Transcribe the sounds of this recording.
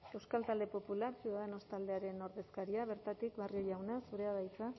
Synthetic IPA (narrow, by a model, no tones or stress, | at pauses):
e̞wskalt̪ald̪e̞po̞pulaɾsuðaðeno̞st̪ald̪e̞aɾe̞no̞ɾðe̞skaɾiaβ̞e̞ɾt̪at̪ikβario̞ʝawnasuɾe̞aðajt͡sa